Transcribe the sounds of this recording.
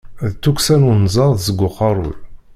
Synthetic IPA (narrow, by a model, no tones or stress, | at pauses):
ðt͡s̪ːuksænunzˤɑðzəɡʷːʊqːɑɾˤʊ̰l